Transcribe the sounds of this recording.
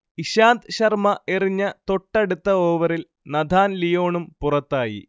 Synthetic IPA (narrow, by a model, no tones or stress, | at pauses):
iɕaːnd̪ɕɐrmɐʔeriɲːɐt̪o̞ʈːɐɽut̪ːɐoːʋɐɾil | nɐd̪ʱaːnlijo̞ːɳumpurɐt̪ːaːjḭ